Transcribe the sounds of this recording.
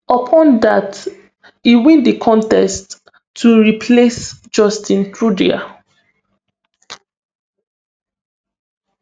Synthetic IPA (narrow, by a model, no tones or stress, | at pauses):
əpʰɔ̃ndat | iwɛ̃ndikʰɔ̃ntɛstʰː | uɹipʰlesd͡ʒɔstĩntɹudḭa̰